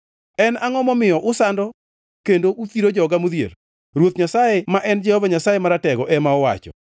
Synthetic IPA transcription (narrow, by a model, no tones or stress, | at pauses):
ɛnaŋɔmɔmɪjɔʔʊsandɔ | kendoʔut̪iɾod͡ʒɔɡamuðjḛɾ | ɾwot̪ɲasajemaʔɛnd͡ʒɛhɔvaɲasajemaɾatɛɡɔʔɛmaɔwa̰t͡ʃɔ̰